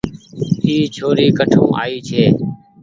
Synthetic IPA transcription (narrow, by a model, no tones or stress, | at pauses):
ɦiːt͡ʃʰoːɾiːkəʈʰõ̰ːʔaːiːt͡ʃʰeː